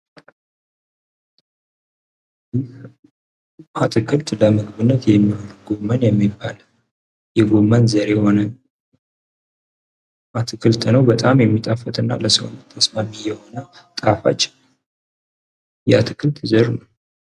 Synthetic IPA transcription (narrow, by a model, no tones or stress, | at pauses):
jɪh | ʔat̪ʰɨkʰɨlt̪ləmɨɡɨβɨnːət̪jɛmːiholuɡo̞mːənjɛmːibːal | jɛɡo̞mːənzəɾeho̞nə | ʔat̪ʰɨkʰɨlt̪ʰnəwbət̪ʼamjɛmːit̪ʼafət̪ʼɨnːa̰ləsəwont̪ʰːəsmamijɛho̞nət̪ʼafa̰t͡ʃːɪn | jɛat̪ʰɨkʰɨlt̪zəɾnəw